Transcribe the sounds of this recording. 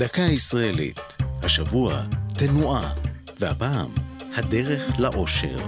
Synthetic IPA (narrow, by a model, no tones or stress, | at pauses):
d̪akahaisʁaelḭt̪haʃavuat̪enuʔa | vehapaːm | had̪e̞ʁe̞χlaʔo̞ʃe̞̰ʁ